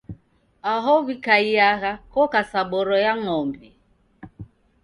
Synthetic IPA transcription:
aɦɔβikaiaɣakɔkasaɓɔɾɔjaŋɔmbi

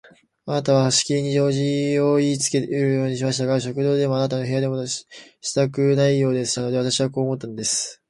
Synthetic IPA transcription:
anat̪aβ̞ahaɕi̥kʲiiɲ̟iʑo̞ːʑio̞iːt͡sɨ̥ke̞t̪eiɾɯ̟jo̞ːɲ̟iɕimaɕi̥t̪aɡaɕ̬o̞kɯ̟d̪o̞ːd̪e̞mo̞anat̪ano̞ɦe̞jad̪emo̞ɕi̥t̪akɯ̟naijo̞ːd̪e̞sɨ̥t̪ano̞d̪e̞βat̪aɕiβako̞ːmo̞t̪ːanod̪e̞sɨ̥

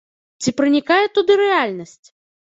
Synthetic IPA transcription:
t͡sʲipɾɨnʲikajɛt̪ud̪ɨɾɛalʲnɐsʲt͡sʲ

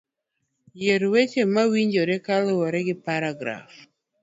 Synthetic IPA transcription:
jeɾwet͡ʃemawiɲd͡ʒoɾekalowɔɾɛɡɪpaɾaɡɾa̰f

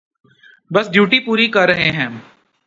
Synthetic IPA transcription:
bɐsɖjuːʈipuːɾikɐɾːɐɦeɦɛ̃ː

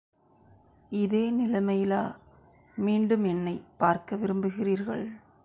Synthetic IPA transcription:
ɪðeːnɪlɐmɐjɪlaː | miːɳɖɯmɛnːɐɪpːaːɾkɐʋɪɾɯmbɯɣɪriːɾɣɐ̰ɭ

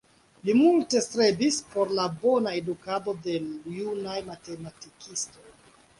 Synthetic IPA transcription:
limulte̞stɾe̞bispo̞ɾlabo̞naedukado̞de̞junajmate̞matikʰisto̞j

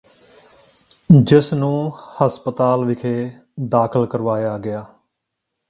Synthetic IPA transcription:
d͡ʒɪsnũːhəspət̪aːlʋɪkʰeː | d̪aːkʰəlkəɾʋaːjaːɡɪaː

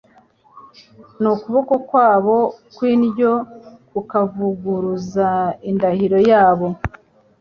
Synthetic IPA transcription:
nukuβo̞ko̞kwaːβo̞kwiːnɟo̞kukavuɡuɾuzaindahiɾo̞jaːβo̞

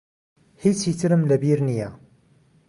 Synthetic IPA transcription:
hit͡sːjət͡sːɾəmlæbiɾnijæ

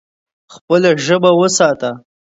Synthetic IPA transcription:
xpəlaʒəbawəsɑt̪a

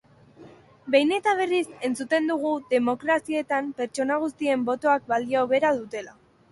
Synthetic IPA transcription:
be̞jne̞t̪aβ̞e̞rise̞nt͡sut̪e̞nd̪uɣuðe̞mo̞kɾasie̞t̪ampe̞ɾt͡ʃo̞naɣ̞ust̪ie̞mbo̞t̪o̞ak̚bald̪iaoβe̞ɾaðut̪e̞la

